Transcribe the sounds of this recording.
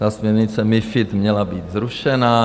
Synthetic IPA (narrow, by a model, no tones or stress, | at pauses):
t̪asmɲɛɾɲɪt͡sɛmɪfɪt̪mɲɛlabiːt̪zɾuʃɛna